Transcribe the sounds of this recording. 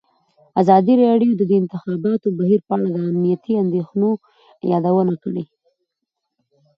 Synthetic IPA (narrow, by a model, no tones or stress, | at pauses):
azɑd̪iɾɑɖjod̪əd̪əɪnt̪ɪxɑbɑt̪obaɦiɾpəaɽad̪əamnijat̪iand̪exno | jɑd̪awənakəɽe